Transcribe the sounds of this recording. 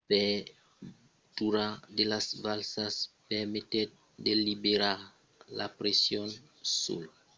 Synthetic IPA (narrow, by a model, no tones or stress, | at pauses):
pe | t̪uɾad̪elasvalsaspemet̪e | d̪elibeɾaɾ | la̰pɾesjon | sṵl